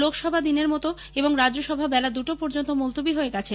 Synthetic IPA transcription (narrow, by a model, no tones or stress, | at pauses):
lokʰʃɔbʱad̪ineɾmɔt̪o | eboŋɾad͡ʑoʃɔbʱabɛlad̪uʈopɔɾd͡ʑont̪omolt̪obiɦoeɡat͡ɕʰe